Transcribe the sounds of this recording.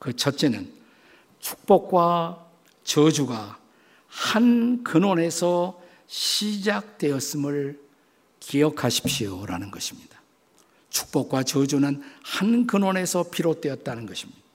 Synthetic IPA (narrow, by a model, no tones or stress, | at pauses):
kɯt͡ɕʰʌt̚t͡ɕ͈e̞nɯn | t͡ɕʰu̥k̚p͈ʌk̚k͈wa | t͡ɕʌd͡ʑuɡa | hankɯnwone̞sʰʌ | ɕʰid͡ʑak̚twe̞ʌs͈ɯmɯɭ | kiʌkʰaɕʰi̥p̚ɕioɾa̰nɯnɡʌɕʰimɲid̥ḁ | t͡ɕʰu̥k̚p͈ʌk̚k͈wat͡ɕʌd͡ʑunɯnhankɯnwone̞sʰʌpʰiɾot͈we̞ʌt̚t͈anɯnɡʌɕʰimɲid̥ḁa